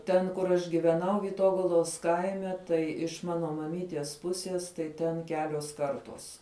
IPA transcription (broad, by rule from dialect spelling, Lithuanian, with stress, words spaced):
ˈtʲɛn kʊr ˈɐʃ ɡʲɪʋʲɛˈnɐʊ ʋʲiːˈtoːɡɐlˠoːs ˈkɐɪmʲɛ tɐɪ ɪʃ ˈmɑːnoː mɐˈmʲiːtʲiɛs ˈpʊsʲiɛs ˈtɐɪ ˈtʲɛn ˈkʲæːlʲuɔs ˈkɐrtuɔs